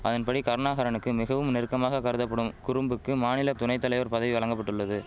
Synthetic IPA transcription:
ʔɐðɐnpɐɽikɐɾɐnaːɣɐɾɐnɯkːɯmɪɣɐʋɯmnɪɾɯkːɐmaːɣɐkɐɾɯðɐpːɐɽɯmkʊɾɯmbɯkːɯmaːnɪlɐt̪ʊnɐɪt̪ːɐlɐɪʋɐɾpɐðɐʋiʋɐɭɐŋɡɐpːɐʈːɯɭːɐðɯ

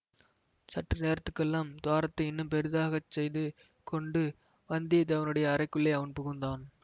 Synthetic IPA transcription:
sɐʈrɐneːɾɐt̪ːɯkːɛlːaːmd̪ʊaːɾɐt̪ːɐɪɪnːɯmpɛɾɯðaːɣɐt͡ʃːɛjðɯ | kɔɳɖɯ | ʋɐnd̪ɪjɐt̪ɐʋɐnɯɽɐjɐːɾɐɪkːɯɭːɐɪɐʋɐnpʊɣɯnd̪aːn

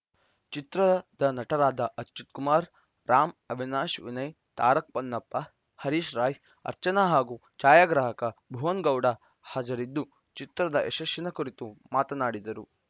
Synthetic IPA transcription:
t͡ʃit̪ɾɐd̪ɐnɐʈɐɾaːd̪ɐʔɐtːt͡ʃːut̪̚kumaːɾ | ɾaːmɐbʱinaːʃʋḭnɐj | t̪aːɾɐk̚pɐnːɐpːɐ | hɐɾiːʃɾaːj | ɐ̰ɾt͡ʃɐnaɦaːɡu | t͡ʃaːjaːɡɾaːɦɐkɐbʱuʋɐŋɡɐwɽɐ | hɐd͡ʒɐɾid̪ːu | t͡ʃit̪ɾɐd̪ɐʔḛʃɐʃjinɐkuɾit̪umaːt̪ɐnaːɽid̪ɐɾu

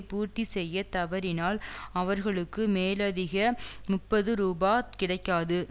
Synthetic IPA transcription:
puːʈːisɛjːɐt̪ɐʋɐɾɪnaːlɐʋɐɾɣɐɭɯkːɯmeːlɐðɪɣɐmʊpːɐðɯɾuːbaːkɪɽɐɪkːaːðɯ

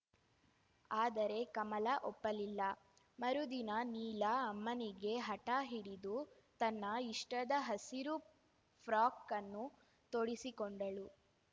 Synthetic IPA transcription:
aːd̪ɐɾe̞kɐmɐlɐʔɔpːɐlilːɐ | mɐɾud̪inɐniːlɐːmːɐniɡe̞ɦɐʈaɦiɽid̪u | t̪ɐnːɐiʂʈɐd̪ɐɦɐsiɾu | pʰɾaːkːɐnːu | t̪oɽisikoɳɖɐɭu

